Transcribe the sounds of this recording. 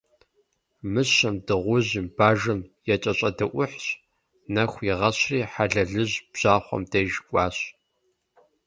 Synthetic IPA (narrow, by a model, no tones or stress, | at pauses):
mɨɕɕɐmdɨʁʷʊʑɪmb̥aːʒɨmjɛt͡ʃʼɐɕʼɐdɐʔʷʊħɕ | nɐxʷiʁɐɕriːħaɮɐɮɨʑb̥ʑ̥aːχʷɔ̰mdɐʒkʷʼɑːɕ